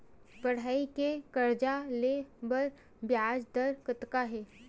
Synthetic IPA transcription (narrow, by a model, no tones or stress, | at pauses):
bɐɽ̤aːikekɐɾd͡ʒalebəɾ | bjaːd͡ʒd̪əɾkət̪kaɦɛː